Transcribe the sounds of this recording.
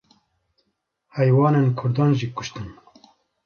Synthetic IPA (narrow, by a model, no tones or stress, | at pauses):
hɛjwɑːnenkʰʊɾd̪ɑːnʒiːkʊʃt̪ɨn